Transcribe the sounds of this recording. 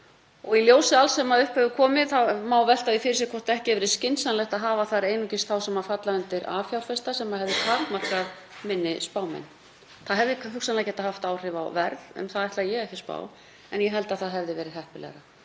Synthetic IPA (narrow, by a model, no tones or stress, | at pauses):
ɔɣiljoːwsɪalsɛmaðʏhphœɣvʏkʰɔːmɪθamaːwvɛl̥t̪aðɪfɪɾɪ̥ɾsɛkʰɔr̥t̪ɛhcɪɛvɪɾɪscɪnsanlɛxt̪aðɦaːvaθaɾeːjnucɪst̪θawsɛmafat̪laʏnt̪ɪɾa̰ːfjawl̥fɛst̪asɛmaðhɛvðɪt̪ʰakmar̥kað | mɪnːɪspaːwmɛ̰n | θaðɦɛvðɪkhʏksanlacɛht̪ahaft̪aːwr̥ɪva̰wvɛɾðʏ̰mθaðɛht̪lajɛɣɛhcɪ̥spa̰ːw | ɛnjɛɦɛl̪t̪aðθaðɦɛvðɪvɛːɾɪðɦɛhpɪlɛ̰ɾa